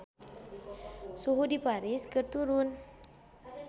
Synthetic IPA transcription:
suɦudipaɾiskɨrt̪uɾʊn

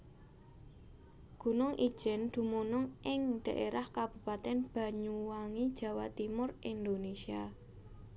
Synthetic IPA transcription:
ɡ̥ṳnʊŋʔi̥ʒ̥ɛ̤nd̪̥ṳmonɔŋʔɪŋɖ̪̥ä̤ʔeɾahkab̥ṳpat̪ɛnb̥ä̤ɲuwaŋid̥ʒ̥ä̤wa̰t̪imʊrind̪onesia

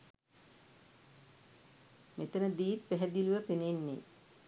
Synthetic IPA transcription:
met̪ənəd̪iːt̪̚pæɦɛd̪iluʋəpenenːḛ

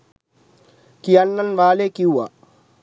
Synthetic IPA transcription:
kijɐnːɐnʋaːleːkiuwa

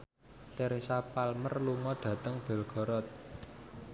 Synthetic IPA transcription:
t̪eɾisapalmərluŋɔɖ̪̥ä̤t̪əŋb̥ɛ̤lɡ̥ɔ̤ɾɔt̪̚

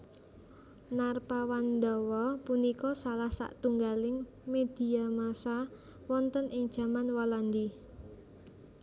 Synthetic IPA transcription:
narpawand̪ɔwɔpunikɔsalahsa̰ʔt̪uŋɡalɪŋ | med̪̥i̤amasa | wɔnt̪ənʔɪŋd̥ʒ̥ä̤manwɔland̪i

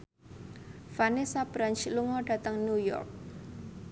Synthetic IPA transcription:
fanisab̥ɾant͡ʃluŋɔɖ̥ä̤t̪əŋnujɔ̰rk̚

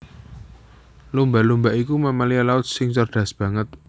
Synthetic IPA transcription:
lumbalumbaʔikumamalialaʊt̪̚sɪŋsərɖ̥ä̤sb̥ä̤ŋət̪̚

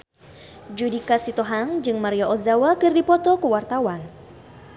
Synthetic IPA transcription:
d͡ʒudikasit̪oɦaŋd͡ʒɨŋmaɾiaʔɔzawakɨrdipɔt̪ɔkuwart̪awan

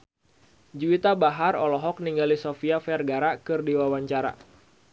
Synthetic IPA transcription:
d͡ʒuit̪abaɦarɔlɔɦɔk̚niŋɡalisofiafɛrɡaɾakɨrdiwawaɲt͡ʃaɾa̰

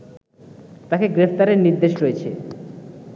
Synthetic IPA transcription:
t̪akeɡɾepʰt̪aɾeɾniɾd̪eʃɾojet͡ɕʰe

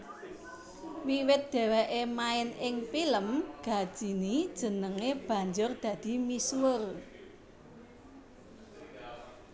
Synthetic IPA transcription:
wiwɪt̪̚d̪̥e̤weʔemaɪnɪŋpiləmɡ̥a̤d̥ʒ̥i̤nid̥ʒ̥ə̤nəŋeb̥ä̤ɲd͡ʒʊrd̪̥ä̤d̪̥i̤miswʊr

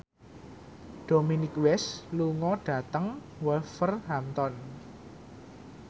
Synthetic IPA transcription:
d̥o̤minɪkwɛsluŋɔɖ̥ä̤t̪əŋ | wɛlfərɦamt̪ɔn

